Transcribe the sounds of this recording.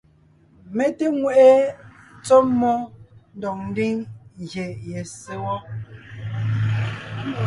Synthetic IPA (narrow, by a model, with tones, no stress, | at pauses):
me˦te˦ŋwɛ˦ʔe˦t͡sɔː˦ɔ˦n̩˦dɔ˨ŋ̚n̩˦di˦ŋɣje˨jɛ˨se˦wɔ˦